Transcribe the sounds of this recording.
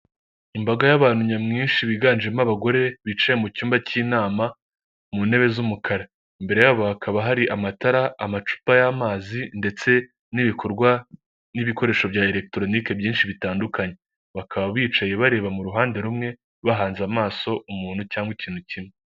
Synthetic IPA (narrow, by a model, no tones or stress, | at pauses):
imbaɡajaβaːn̥huɲamŋiːnʃiβiɡaːnd͡ʒemaβaɡo̞ɾe̞βit͡ʃajemucuːmbaciːnaːma | mune̞βe̞zumukʰaɾa | imbe̞ɾe̞jaβo̞akʰaβaɦaɾiʔamataɾaamat͡ʃu̥pajamaːzinde̞t͡se̞ | niβikʰo̞ɾɡwa | niβiko̞ɾe̞ːʃo̞βjaːeɾe̞k̚tɾo̞nike̞bjiːnʃiβitaːndukaɲe̞ | βakʰaβaβiːt͡ʃaje̞βaɾe̞ːβamuɾuɦaːnde̞ɾumŋe̞ | βaɦaːnzamaːso̞umuːn̥hucaːŋɡwiciːnhucimŋe